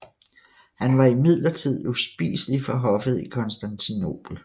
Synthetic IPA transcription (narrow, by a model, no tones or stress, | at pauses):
hænʋɑ̈imið̞̰ˠlɐt͡sʰið̞̰ˠusb̥ḭːsəlifɒɦɒ̽fð̞̩ˠikʰɒ̽nsd̥ænt͡sʰino̝̰ːb̥l̩